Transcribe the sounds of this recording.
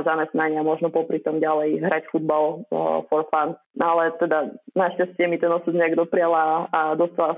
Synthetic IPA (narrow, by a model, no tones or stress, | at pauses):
zamɛsnaɲɪamɔʒnɔpɔpɾit̪ɔmɟalɛjɦɾacfud̪̚balfɔɾfan | alɛt̪ɛd̪anaʃcascɪɛmit̪ɛnɔsud̪ɲɛɛɡd̪ɔpɾialaːd̪ɔst̪ala